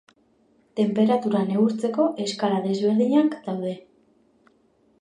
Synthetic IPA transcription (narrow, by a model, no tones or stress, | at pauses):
t̪e̞mpe̞ɾat̪uɾaneɣuɾt͡se̞ko̞ʔe̞skaɾaðe̞zβe̞ɾðiɲakd̪awð̞e̞